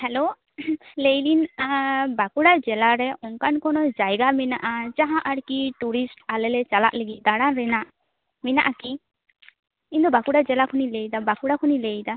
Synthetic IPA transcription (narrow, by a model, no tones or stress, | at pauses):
hɛlo | lejlin | bakuɽad͡ʒɛlaɾɛʔɔŋkankɔnɔd͡ʒajɡamɛnaʔad͡ʒaɦãʔaɽkiʈuɾisʈalɛlɛt͡ʃala̰ʔleɡid̪aɽaɾɛnaʔ | minaʔaki | ind̪ɔbakuɽad͡ʒɛlakʰunilejd̪abakuɽakʰunilejd̪a